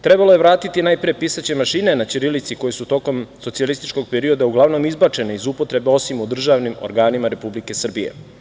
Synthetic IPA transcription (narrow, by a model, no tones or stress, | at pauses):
t̪ɾe̞balo̞je̞ʋɾaːt̪it̪inaːjpɾiepisat͡ɕe̞maʃinenat͡ʃiɾilit̪siko̞jesut̪o̞ko̞msot̪sialist̪it͡ʃko̞ɡ̚peɾio̞d̪auɡlˠaʋno̞mizbat͡ʃe̞neizupo̞t̪ɾe̞beo̞simud̪r̩ʒaːʋnimo̞̰ɾɡaːnimaɾe̞publike̞sr̩bije̞̰